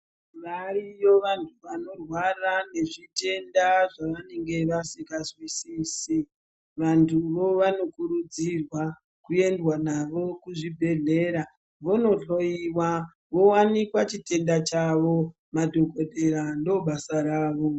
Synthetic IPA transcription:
ʋaɾijoʋantʰuʋano̞rwarane̞ʐite̞ndaʐaʋane̞ŋɡe̞ʋasikazwisiːsi | ʋantʰuʋo̞ʋano̞kuɾud͡zirwa | kue̞ndwanaʋo̞kuʐibʱe̞ɮe̞ːɾa | ʋo̞no̞ɬo̞iwa | ʋo̞wanikwat͡ʃite̞ndat͡ʃaʋo̞ | madʱoko̞dʱeɾandoɓasaɾaːʋo̞

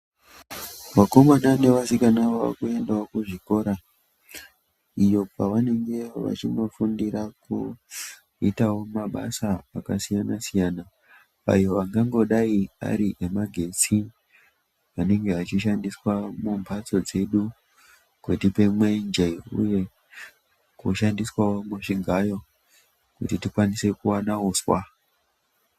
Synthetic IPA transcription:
ʋako̞manane̞ʋasikanaʋoʋa̰kue̞ndaokuʐiko̞ɾa | ijo̞paʋane̞ŋɡe̞ʋa̰t͡ʃino̞fundiɾaku | itawo̞maɓa̰saːkasijanasijaːna | a̰joʋaŋɡaŋɡo̞ɗaia̰ɾiʔemaɡʱe̞t͡si | ʋane̞ŋɡe̞at͡ʃiʃandiswamumbʱat͡so̞d͡ze̞ɗu | kwetipe̞mwend͡ʒeṵje̞ | kuʃandiswawo̞muʐiŋɡajo̞ | kutitikwanise̞kuwanaoswa

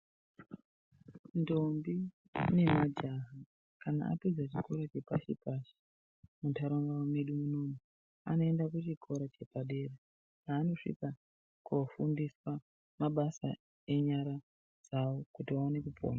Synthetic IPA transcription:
ndombi | nemad͡ʒaɦa | kana̰a̰pid͡zat͡ʃiko̞ɾat͡ʃe̞paʃipaʃi̥ | mutʰaɾoŋɡawameɗumunoːmu | a̰no̞e̞ndakut͡ʃikʰo̞ɾat͡ʃe̞paɗe̞ːre | aːno̞ʂḭka | kufundiswa | maɓasa̰ | e̞ɲaɾa | d͡zawokutiaone̞kupʰo̰ːna

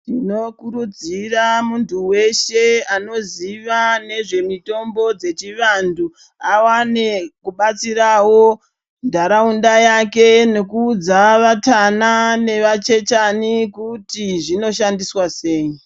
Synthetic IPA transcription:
tino̞kuɾud͡ziramuntuwe̞ʃe̞ano̞ziʋane̞ʐe̞mito̞mbo̞d͡ze̞t͡ʃiʋandu | awanekuɓat͡sirawo̞ | ndʱaɾaundajake̞ne̞kuːd͡zaʋatanane̞ʋat͡ʃe̞t͡ʃanikutiʐino̞ʃandiswase̞ːji

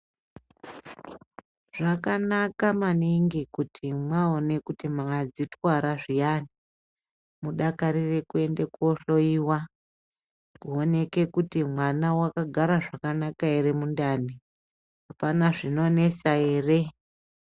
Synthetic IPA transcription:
ʐ̥akanakamaniŋɡikutʰimwaone̞kutimaad͡zitwaɾaʐijani | muɗakaɾire̞kue̞ndekuoɬo̞iːwa | kuo̞ne̞ke̞kutimwanawakaɡʱaɾaʐakanakaeɾe̞mundani | ɦapanaʐino̞ne̞sae̞ːre

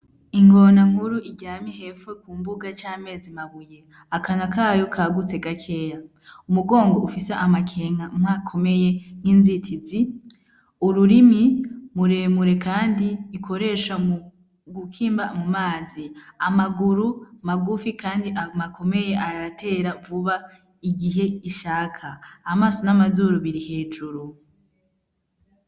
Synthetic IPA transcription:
iŋɡonaŋhuɾuʔiɟaːmihe̞fwekumbuɡat͡ʃaːme̞ːzimaβuje | akanakaːjo̞kʰaɡut͡se̞ɡakʰe̞ːja | umuɡo̞ːŋɡo̞ufiseʔamakʰeŋamakʰo̞me̞je̞ŋ̥hiːnzitʰizi | uɾuɾimimuɾemuɾe̞kaːndiːkʰo̞ɾe̞ʃau | ɡukʰiːmbamumaːziamaɡuɾumaɡufikʰaːndiʔamakʰo̞me̞je̞ʔaɾatʰe̞ɾavuβa | iɡiɦe̞iʃakʰaːmaːso̞namazuɾuβiɾihe̞ːd͡ʒuɾu

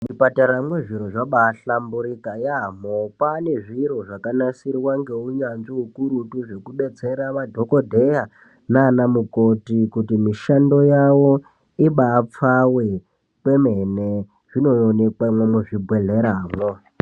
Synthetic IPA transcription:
mipataɾamweʐiɾoʐaɓaɬambuɾikajamopane̞ʐiɾo̞ʐakanasiɾiwaŋɡe̞uɲanʐiukuɾutuʐe̞kuɓe̞d͡ze̞ɾaʋadʱo̞kodʱe̞ja | naːnamukotikutimiʃando̞jawo̞ | iɓaːp͡fawe | kwe̞mene | ʐ̥ino̞one̞kwamwemuʐibʱweɮe̞ɾaːmwo

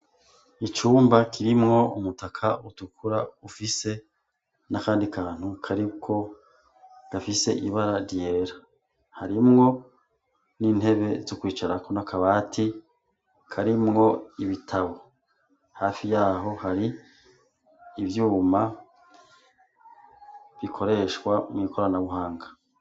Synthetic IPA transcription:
it͡ʃuːmbakʰiɾimŋo̞umutakʰaʔutukʰuɾaufise̞ | nakaːndikʰaːn̥hukʰaɾikʰo̞ | ɡ̥afise̞ʔiβaɾaɾje̞ɾa | haɾimŋo̞ | niːn̥he̞βe̞zokwiːt͡ʃaɾako̞nakaβaːtʰi | kʰaɾimŋo̞iβitʰaβo | haːfijaːɦo̞haɾi | vjuːma | βikʰo̞ɾe̞ʃkwamŋiːkʰo̞ɾanaβuɦaːŋɡa

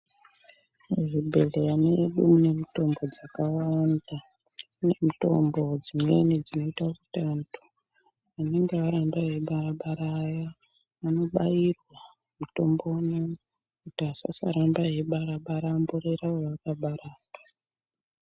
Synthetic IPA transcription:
ʐibʱe̞lejaneɗumune̞mito̞mbo̞d͡zakawaanda | ne̞mito̞̰mbo̞d͡zimwe̞nid͡zino̞itaokutantʰu̥ | ane̞ŋɡeaɾambaɦe̞ɓaraɓaɾaja | ano̞ɓairwa | muto̞mbo̞na | kutiasa̰sa̰ɾambaɦe̞ɓaɾaɓaɾamboɾeɾaojaakaɓaɾaːta

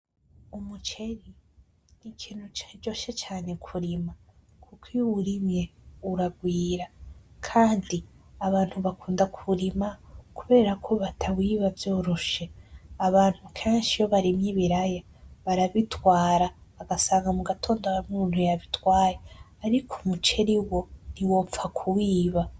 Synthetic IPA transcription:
umut͡ʃe̞ɾi | nikʰiːn̥hut͡ʃd͡ʒo̞ːʃet͡ʃaːne̞kʰuɾima | kʰukʰiwuɾimje̞uɾaɡwiːɾakʰaːndiaβaːn̥huβakʰuːndakʰuɾimakuβe̞ːɾakʰo̞βatʰawiːβavjo̞ːɾoʃe̞aβaːnhukʰe̞ːnʃijo̞βaɾimjiβiɾaja | βaɾaβitwaːɾaβaɡasaːŋɡamuɡatʰo̞ːndoamuːn̥hujaβitwaːje | aɾikʰomut͡ʃe̞ɾiwo̞niwo̞ːfakʰuwiːβa

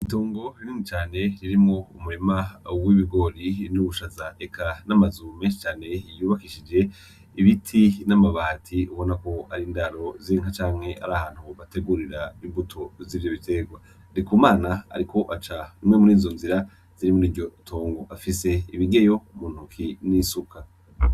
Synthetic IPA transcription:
ito̞ːŋɡo̞ɾiniŋit͡ʃaːne̞ɾiɾimŋo̞umuɾemawiβiɡo̞ɾinuβuʃazaʔekʰanamazumeʃe̥t͡ʃaːne̞juːβakiʃid͡ʒe̞ | iβitʰinamaβatʰiuβo̞nako̞aɾiːndaɾo̞ziŋhat͡ʃaːŋhe̞ʔa̰ɾahaːnhuβate̞ɡuɾiɾaimbutʰo̞ziːvjo̞βite̞ɡwa | ndikumaːnaa̰ɾikʰo̞ʔat͡ʃanimŋe̞muɾiːzo̞nziɾa | z̥iɾimuniːvɟo̞tʰo̞ːŋɡoʔafise̞iβiɡe̞jo̞muːn̥hukʰinisukʰa

